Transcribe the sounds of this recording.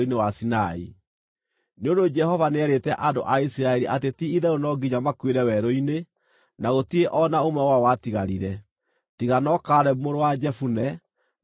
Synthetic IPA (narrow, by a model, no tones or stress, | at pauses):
inewasinaḭ | neondod͡ʒɛhɔvaneɛɾetɛʔado̰ʔaisiɾaɛɾiʔatetiiðɛonɔɡiɲamakweɾɛwɛɾoine | naɣotieʔɔnaomɛwawatiɣaɾiɾɛ | tiɣanɔkaɾɛmoɾowad͡ʒɛfunɛ